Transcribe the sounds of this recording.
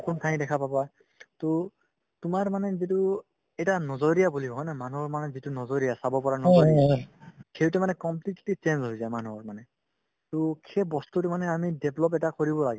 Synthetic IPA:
kuntʰaj̃dɛkʰapabaj | to | tʊmaɹmanɛzitu | ɛjtanɔzɔɹijabuliɦɔjnamanuɔɹmanɛzitunɔzɔɹijasabɔpɔɹanɔzɔɹiakʰeutɛmanɛkɔmpliktit͡ʃenzɦojzajmanuɔɹmanɛ | tokʰebɔstutɛmanɛamideblɔpɛtakɔɹibɔlaɡɛ

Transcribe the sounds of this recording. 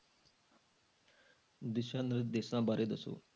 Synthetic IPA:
d̪iɕanɾəd̪esnãbaɾʔed̪əso̰

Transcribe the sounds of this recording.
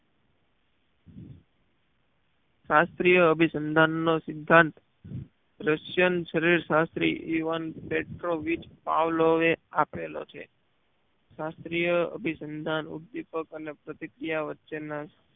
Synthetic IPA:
ʃast̪ɾijəəbʱisənd̪ʱanːosɪd̪ʱːãnt̪ | ɾəʃjənʃəɾiɾʃast̪ɾḭʔiʋənpeʈɾoʋit͡ʃpa̰ʋloʋeapelo̰t͡ʃʰḛ | ʃast̪ɾijəə̰bʱisənd̪ʱanṵd̪ːipəkənepɾət̪ikɾijaʋətːʃena

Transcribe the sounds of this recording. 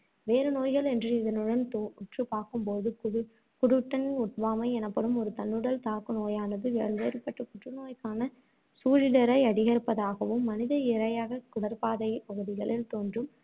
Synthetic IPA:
ʋeːɾɯnoːjɣɐɭɛndrɯɪðɐnɯɽɐnt̪ːʊʈrɯpaːɾkɯmpoːðɯ | kʊɽɯʈːɐnɪnʊʈ̚ʋaːmɐɪɛnɐpːɐɽɯmɔɾɯt̪ɐnːɯɽɐlt̪aːkɯnoːjaːnɐðɯʋeːɭʋeːɾɯpːɐʈːɯkʊʈrɯnoːjkaːnɐ | suːɻɪlɐɾɐɪɐɽɪɣɐɾɯpːɐðaːɣɐʋɯmːɐnɪðɐɪɾɐjaːɣɐkʊɽɐɾpaːðɐɪpɐɣɯðɪɣɐɭɪlt̪oːndrɯm

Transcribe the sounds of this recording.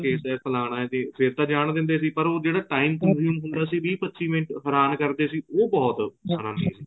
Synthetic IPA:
keːsɛːpʰəlaːɽaːɛt̪ẽːpʰɪɾt̪ãːd͡ʒaːɽ̃ɳ̃d̪ɪ̃nd̪eːsiːpəɾoːd͡ʒeːɽaːʈaːiːmkənzjuːmɦʊ̃nd̪aːsiːʋiːpətːʃiːʋɪ̃ɳʈɦəɾaːnkəɾd̪eːsiːoːbɔːt̪sənãːnḭːsiː

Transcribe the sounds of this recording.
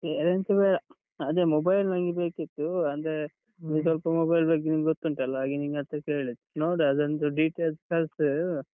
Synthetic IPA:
ɾent̪ebeːɽɐ | ɐd̪eːmɔbɐjlnɐŋɡibeːkit̪ːuɐnd̪e | niːsʋɐlpɐmobɐjlbɐɡiniŋɡɡot̪ːuɳʈɐlːɐaːɡiniŋɡɐt̪ɐkeːɭid̪unoːɖɐd̪ɐnt̪uɖiːʈeːlskɐls

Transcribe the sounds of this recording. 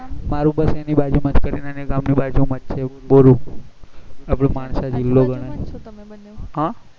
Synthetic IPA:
maɾũbəsenibad͡ʒumad͡ʒkəɾinəneɡamnibad͡ʒũmət̪t͡ʃʰeboɾũ | apɽ̃ẽmaɳsad͡ʒilːoɡəɽ̃a | ɦã

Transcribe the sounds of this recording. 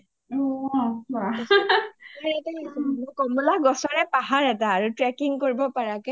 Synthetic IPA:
ɔaisaɹɛtɛnɔkɔmulaɡɔsɔɹɛpaɦaɹɛtaːɹutɹɛkiŋkoɹibɔpaɹakɛ

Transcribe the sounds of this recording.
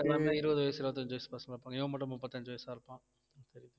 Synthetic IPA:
ɐmamɐɪɾɯbɐðɯʋɐjɐsɪɾɯbɐt̪ːɐɲd͡ʒoːjspɐsɐŋɡlaːɾɯpːaːŋɡɐɛʋɐ̃mːɐʈːɐmʊpːɐt̪ːɐɲd͡ʒoɔːjsaːɾɯpːãː | t̪ɛɾɪðɯ

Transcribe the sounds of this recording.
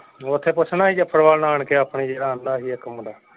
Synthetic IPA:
ot̪ʰeːpʊt͡ʃʰnaːɦiːd͡ʒəpʰəɽʋaːlnaːɳkeːəːpɳiːd͡ʒeːɗãːnd̪aːɦiːɛːkəmːdaː

